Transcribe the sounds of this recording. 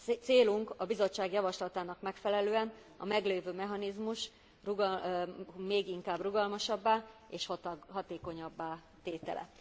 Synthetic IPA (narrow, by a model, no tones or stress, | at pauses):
t̪seːluŋkɒbizo̞t͡ʃːaːɡjɒvɒʃlɒt̪aːnɒkmɛkfɛlɛløːɛn | ɒ̰mɛɡleːvøːmɛɦɒnizmuʃ | ruɡ | meːɡiŋkaːbruɡɒlmɒʃɒbːaːeːʃhɒt̪ɦɒt̪eːko̞ɲɒbːaː | t̪eːt̪ɛ̰lʔɛ̰